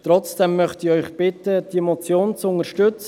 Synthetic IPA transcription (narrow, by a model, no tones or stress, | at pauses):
t̪ɾɔt͡sd̥ɛmːœχt̪iœʏχb̥ɪt̪əd̥̪iemɔt͡sjoːnt͡sʊŋəɾʃtʏt͡s